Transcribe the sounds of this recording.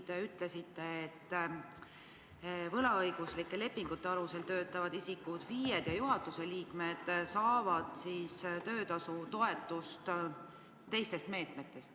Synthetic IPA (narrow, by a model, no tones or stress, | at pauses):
t̪eyt̪le̞sit̪ːe̞ːt̪ː | vɤlɑɤjɡ̥uslikːˑe̞le̞pːiŋɡ̥ut̪ːe̞ɑluse̞lt̪øːt̪ːˑɑvɑd̪isikːud̪̥viːjed̪̥jɑjuɦɑt̪ːˑuse̞liːkme̞d̪̥sɑːvɑd̪̥siːst̪ø̞ːt̪ɑsut̪o̞e̞t̪ːˑust̪ | t̪e̞jst̪e̞st̪me̞ːt̪me̞t̪ːˑe̞st̪